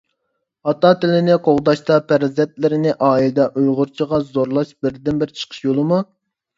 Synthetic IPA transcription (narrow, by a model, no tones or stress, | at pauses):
ɑt̪ɑt̪ɪlɪnɪqʰoʁd̪ɑʃt̪ɑpʰæɾzɛt̪̚lɪɾɪnɪʔɑːild̪ɛʔujʁʊɾt͡ʃʰiʁɑzoɾlˠɑʃbɪɾd̪ɪnbɪɾt͡ʃʰə̥qʰə̥ʃjolˠɨmu